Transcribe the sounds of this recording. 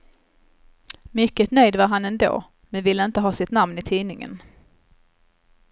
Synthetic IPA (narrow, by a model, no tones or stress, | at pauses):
mʏkːət̪nœjd̪vaɾɦanɛnd̪o̰ː | mɛnvɪlːəɪnt̪əɦɑːsɪt̪namnɪt̪ʰiːnɪŋə̰n